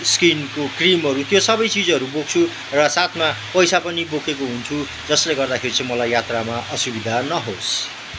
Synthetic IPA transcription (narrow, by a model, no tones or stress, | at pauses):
skinkokrimɦʌɾut̪josʌbʌjt͡sid͡zʌɾubok̚t͡sʰu | rʌsat̪ʰmapʌjsapʌnibokʰekoɦunt͡sʰu | d͡zʌsleɡʌrd̪akʰeɾit͡sʌ̃ĩmʌlajːjat̪ramaʔʌsubid̪ʱanʌɦos